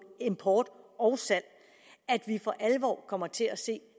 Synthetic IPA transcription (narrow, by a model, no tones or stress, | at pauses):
e̝mpʰɒːd̥ɒʊsæl̰ | æd̥ʋifɒ̽ʔælʋɒ̰ːkʰɒ̽m̰ɐt͡sʰe̝æse̝̰ː